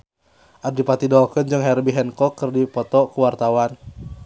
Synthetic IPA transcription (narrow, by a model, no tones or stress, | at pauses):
ʔaddipat̪idɔkənd͡ʒɨŋɦɛrbiɦɛnkɔkɨrdipɔt̪ɔkuwart̪awan